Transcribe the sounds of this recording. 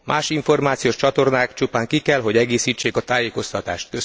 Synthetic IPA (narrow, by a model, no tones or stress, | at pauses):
mʔaːʃiɱfo̞rmaːt̪sijoʃt͡ʃɒt̪o̞rnaːkt͡ʃupaːŋkikɛlɦo̞ɟɛɡeːsiːt͡ʃːeːkɒt̪aːjeːko̞st̪ɒt̪a̰ːʃt̪̚køs